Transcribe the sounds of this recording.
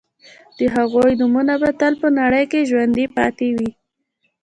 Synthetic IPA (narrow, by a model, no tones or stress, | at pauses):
d̪̥əɦaɣojnumunabat̪əlpənaɽəjkeʒwand̪ipɑ̰t̪ewi